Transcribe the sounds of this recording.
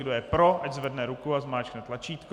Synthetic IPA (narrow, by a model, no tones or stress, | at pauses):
ɡdojɛpɾo̞ʔaɟzvɛdnɛɾukuazmaːt͡ʃknɛt̪lat͡ʃiːt̪k